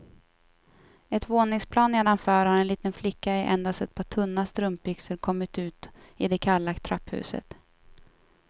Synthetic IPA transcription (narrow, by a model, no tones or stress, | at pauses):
ɛt̪voːnɪŋspʰlɑːnːeːd̪anfœːɾhaɾɛnliːt̪ənflɪkːaɛʔɛ̰nd̪ast̪ɛt̪̚pʰɑːʈʰɵnːast̪ɾɵmp̚bʏksəɾkʰɔmːɪt̪ʉ̟ːt̪ɪd̪ɛkʰalːat̪ʰɾapːhʉ̰ːsə̰t̪